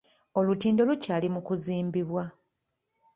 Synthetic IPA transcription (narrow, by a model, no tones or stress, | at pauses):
o̞lutiːndo̞lucaːlimukuziːmbiβwa